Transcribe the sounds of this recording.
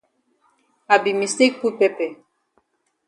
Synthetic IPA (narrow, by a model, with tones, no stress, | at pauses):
a˨bi˨mi˨st̪i˦k̚pu˦pɛ˦pɛ˨